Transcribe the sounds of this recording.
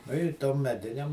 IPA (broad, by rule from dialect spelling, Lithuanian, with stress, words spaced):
ˈnʊ ɪ ˈtoːm mʲɛˈdʲɪnʲɛm